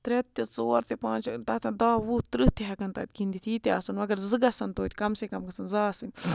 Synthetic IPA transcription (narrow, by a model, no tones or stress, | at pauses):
t̪ɾɛt̪ːet͡soːɐɾt̪epãːnt͡ʃɐkt̪ɐt̪ɐnd̪aːwut̪ɾɨt̪eɦɐkɐnt̪ɐ̰t̪̚ʲkind̪it̪ʰiːt̪eaːsɐnʋɐɡɐɾzɨɡɐsɐnt̪oːt̪ʲkɐmsekɐmɡɐsɐnzaːsɨnʲ